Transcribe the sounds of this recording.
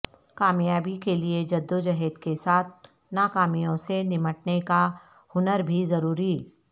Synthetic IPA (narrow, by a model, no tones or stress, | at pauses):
kaːmjaːbikelied͡ʒɐd̪ːod͡ʒɐɦɛːd̪kesaːt̪̚ʰ | naːkaːmijõsenɪməʈ̚neka | ʊnəɾbʱizɐɾuːɾiː